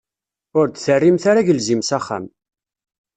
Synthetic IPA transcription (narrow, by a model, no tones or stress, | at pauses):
ʊɾd̪θərːimθaɾaʝəlzimsaχæ̰m